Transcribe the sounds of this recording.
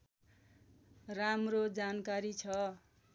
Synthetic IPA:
ramrod͡zankaɾit͡sʰʌ

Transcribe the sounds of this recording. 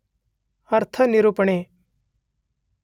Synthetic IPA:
ɐɾt̪ʰənɪɾupɽ̃eː

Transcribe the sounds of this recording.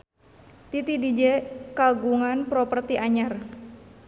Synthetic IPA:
t̪it̪idid͡ʒɛkaɡuŋanpɾɔpərt̪iʔaɲar

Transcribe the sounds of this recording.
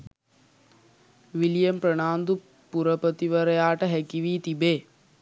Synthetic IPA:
ʋilijɐmpɾəɳaːnd̪u | puɾəpət̪iʋəɾəjaːʈəɦækiʋiːt̪ibeː

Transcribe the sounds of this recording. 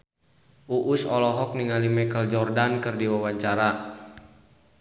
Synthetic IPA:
ʔuʔusɔlɔɦɔk̚niŋalimɛkəld͡ʒɔrdankɨrdiwawaɲt͡ʃaɾa

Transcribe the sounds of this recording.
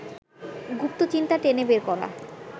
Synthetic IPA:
ɡup̚t̪ot͡ɕint̪aʈenebeɾkɔɾa̰

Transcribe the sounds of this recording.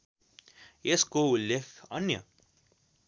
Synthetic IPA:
eskoulːekʰʌnjə̰

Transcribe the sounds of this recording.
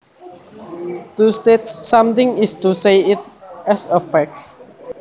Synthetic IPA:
t̪ust̪etsːãmt̪ɪ̃ŋɪst̪usejɪt̪̚ʔɛsəfɛk̚

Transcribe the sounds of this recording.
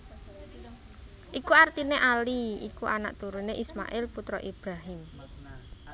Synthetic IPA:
ʔikuart̪ineʔaliikuʔana̰ʔt̪uɾuneʔisma̰ʔɪlput̪ɾɔʔib̥ɾaɦɪm

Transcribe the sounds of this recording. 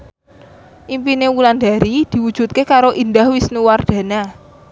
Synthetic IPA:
ʔimpinewuland̪a̤ɾid̪̥i̤wud̥ʒ̥ṳt̪̚kekaɾoʔind̪ahwisnuward̪̥a̤na

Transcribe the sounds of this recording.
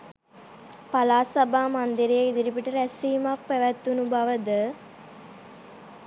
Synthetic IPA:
palaːsabaːmand̪iɾejeid̪iɾipiʈəɾæsiːmak̚pæʋæt̪ːunubaʋəd̪ə

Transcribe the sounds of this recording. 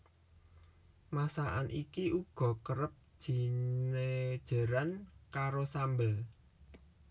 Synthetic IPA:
masaʔanʔikiʔuɡ̥ɔ̤kəɾəp̚d̥ʒ̥i̤nned̥ʒ̥a̤ɾankaɾosambəl

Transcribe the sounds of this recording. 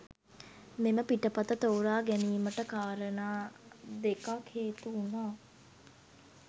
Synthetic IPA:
meməpiʈəpat̪ət̪oːɾaːɡæniːməʈəkaːɾənaːd̪ekakheːt̪uːnaː

